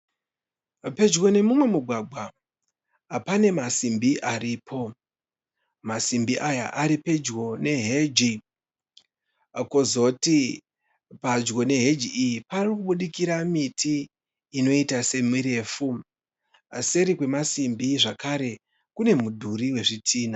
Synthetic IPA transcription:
pe̞d͡ʒɣo̞ne̞mumwe̞muɡʱwaɡʱwa | pane̞masimbiʔaɾipʰo̞ | masimbiʔaja̰ʔaɾipe̞d͡ʒɡo̞ne̞ɦe̞d͡ʒi | kozo̞ti | pad͡ʒɡo̞ne̞ɦe̞d͡ʒiijiparirikuɓuɗikiɾamitʰiː | no̞itase̞miɾe̞ːfu | se̞ɾikwe̞masimbiʐakaɾe̞ | kune̞mudʱuɾiwe̞ʐitʰiːna

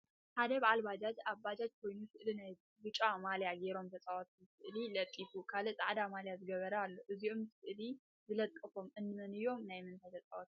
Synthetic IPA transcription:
ħad̪ɐbaʕalbad͡ʒat̪aβbad͡ʒat̪̚kʰo̞jnusɨʔlinaj | bɨt͡ʃʼamaljaɡe̞ɾo̞mt̪ʰɐt͡sʼawot̪mɨsɨʔlilɐt̪ʼːifukʰalɨt͡sʼa̰ʕd̪amaljazɨɡɐβɐɾɐalːo̞ʔɨziomssɨʔli | zɨlɐt̪ʼkʼːɐfo̞mʔɨnːɨmɐnɨjo̞mnajmɨnt̪ʰajt̪ʰɐt͡sʼawot̪

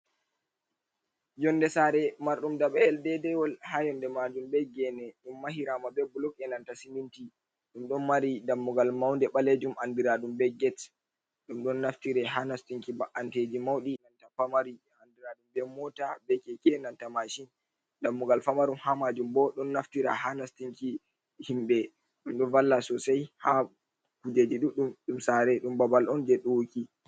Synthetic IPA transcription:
jɔndɛsaɾɛmaɾɗumdaɓɛɛldɛdɛwɔlhajɔndɛmad͡ʒumbɛɡɛnɛɗumːaɦiɾamabɛbulɔkɛnantasiminti | ɗumɗɔnmaɾidamːuɡalmawndɛɓaled͡ʒumʔandiɾaɗumbɛɡɛt | ɗumɗɔnːaftiɾɛɦanastiŋkibaʔanted͡ʒimawɗinantafamaɾi | andiɾaɗumbɛmɔtabɛkɛkɛnantamaʃin | damːuɡalfamaɾumhamad͡ʒumbɔɗɔnːaftiɾa̰hanastiŋki | himɓɛ | ɗumɗɔnvalːasɔsajha | kud͡ʒed͡ʒiɗuɗumɗumsaɾɛɗumbabalʔɔnd͡ʒɛɗoki

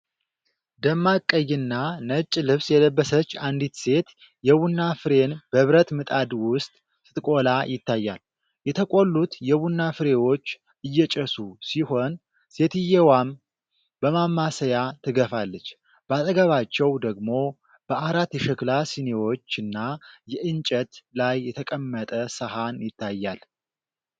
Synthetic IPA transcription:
d̪əmːakʼːəjːɨnːanət͡ʃʼːlɨβsjɛləbːəsət͡ʃːand̪it̪se̞t̪ | jɛwunːafɨɾe̞nb̥əβɾət̪mɨt̪ʼad̪wʊst̪ʼ | sɨt̪ʼɨkʼo̞lajɪt̪ːajːa̰l | jɛt̪ʰəkʼo̞lːut̪jɛwunːafɨɾe̞wo̞t͡ʃː | ɨjːɛt͡ʃʼəsusiho̞n | se̞t̪ɨjɛwam | bəmamːasəjat̪ʰɨɡəfalːət͡ʃː | b̥əat̪ʼəɡəβat͡ʃːɛwd̪əɡmo̞ | b̥əaɾat̪jɛʃɛklasinewo̞t͡ʃːɨnːajɛʔɨnt͡ʃʼət̪lajːɛt̪ʰəkʼəmːət̪ʼəsəɦanjɪt̪ʰːajːal

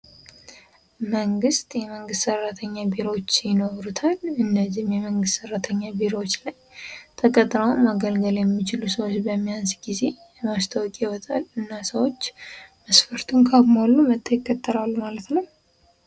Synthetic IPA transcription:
məŋɡɨst̪ʼjɛməŋɡɨst̪sərːat̪ʰəɲːabiɾot͡ʃːjɪnəɾut̪ʰalɨnːəzimjɛməŋɡɨst̪sərːat̪ʰəɲːabiɾowot͡ʃːlajt̪ʰəkʼət̪ʼːɾəwmaɡəlɡəljɛmːit͡ʃɪlusəwot͡ʃːbəmːijansɡize̞ | mast̪ʰawkʼɪwɔt̪ʼalɨnːasəwo̞t͡ʃːməsfəɾt̪ʰunkʰaɡmalːumət̪ʼːəjɪkʼːət̪ʼːəɾalːumalət̪nəw

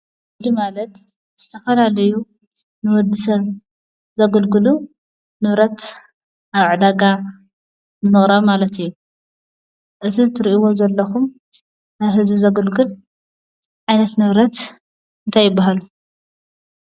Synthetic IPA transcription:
ɨd̪imalɐt̪ | z̥ɨt̪ʰɐfɐlalɐju | nɨwɔd̪ːɨsɐβ | zɐɡɨlɡɨlu | nɨβɾɐt̪ | aβʕɨd̪aɡa | zɨnːɨχʼɾaβmalɐt̪ɨjːu | ʔɨt̪ʰizɨt̪ʰɨɾiʔiwo̞zɐlːɐxum | ɦɨzbizɐɡɨlɡɨl | ʕajnɐt̪nɨβɾɐt̪ | ɨnt̪ʰajːɪbːaɦalu

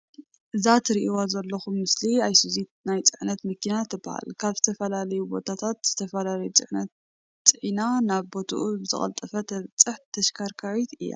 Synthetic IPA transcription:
ʔɨzat̪ʰɨɾiʔiwazɐlːɐxumːɨsliajsuzit̪̚najt͡sʼɨʕnɐt̪mɐkʰinat̪ʰɨbɐha̰lkʰaβzɨt̪ʰɐfɐlalɐjubo̞t̪ʰat̪ʰat̪z̥ɨt̪ʰɐfɐlalɐjut͡sʼɨʕnɐt̪ | t͡sʼɨʕinanaβbo̞t̪ʰṵʔubɨzɨχʼɐ̰lt̪ʼɐfɐt̪ʰɐβt͡sʼɨħt̪ʰɐʃkʰaɾkʰawit̪ɨjːa̰

